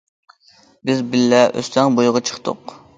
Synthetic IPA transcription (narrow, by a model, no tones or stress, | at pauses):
bɪzbɪlːɛʔø̰st̪ʰɛŋbojʁɑt͡ʃʰə̥χt̪ʰʊ̰q